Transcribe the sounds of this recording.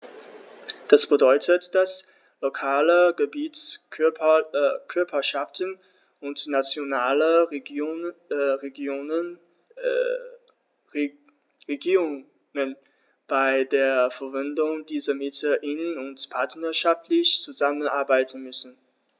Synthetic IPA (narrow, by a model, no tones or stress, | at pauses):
d̥asb̥ədɔʏtʰətd̥as | lokʰaːləɡəbiːt͡s | kʰʏɐpʰɐʃaftən | ʊntnat͡sjonaːlə | ʁeɡː | ʁeɡiːʁʊ | ŋən | b̥aɪdeːɐfɛɐvɪndʊŋdiːzɐmɪtʰəʔɪnənʊntpʰaɐtnɐʃaftʰlɪçt͡suzamənʔa̰ɐbaɪtən̩mʏsn̩